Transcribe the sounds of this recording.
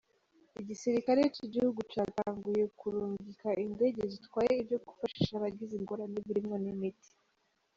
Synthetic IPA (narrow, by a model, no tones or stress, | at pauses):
iɟisiɾikaɾeciɟihuɡucaːtaːŋɡuje̞kuɾuːɲɡikaʔinde̞ːɟe̞zitwaːje̞iβjo̞ɡufaʃi̥ʃaβaɟiziŋɡo̞ɾaneβiɾimŋonimiti̥